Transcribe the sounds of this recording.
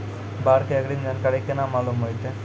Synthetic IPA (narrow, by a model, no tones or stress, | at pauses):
baɾkeekɽimd͡ʑankaɽekenamalumɦojt̪e